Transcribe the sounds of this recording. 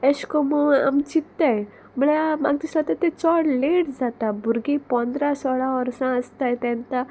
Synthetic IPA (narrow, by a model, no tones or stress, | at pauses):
eɕkɔmua̰mt͡ɕit̪ːaj | muɭamaɡ̚t̪islat̪ət̪et͡sɔɽleʈd͡zat̪abʱuɾɡipɔ̃nd̪ɾasɔɭaʋəɾsãəst̪ajt̪ɛ̃nt̪a